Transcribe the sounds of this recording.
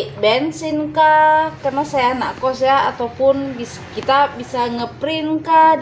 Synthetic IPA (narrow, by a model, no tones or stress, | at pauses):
bɛnsɪnkakarnasajanakɔsjaːt̪awpʊnbis | kit̪abisaŋəpɾɪnka